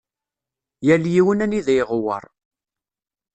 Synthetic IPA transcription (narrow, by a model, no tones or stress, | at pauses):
jæljiwənæniðæjʁwə̰ɾˤ